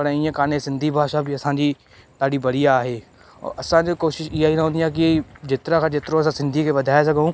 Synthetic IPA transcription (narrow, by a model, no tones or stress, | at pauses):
pɐɽiə̃kaːnesɪ̃nd̪ʱibʱaːʃabʱɪɐsãːd͡ʑiː | t̪aːɽibɐɾijaːɦeː | ɔ̰ɐsãd͡ʑokoːʃɪʃɪɦaɦinɦõːnd̪ijãk̬id͡ʑɪt̪ɪɾãkʰãd͡ʒɪt̪ɪɾõɐsãsɪ̃nd̪ʱikʰeʋɐd̪ʱaːes̬ɐɡʱõː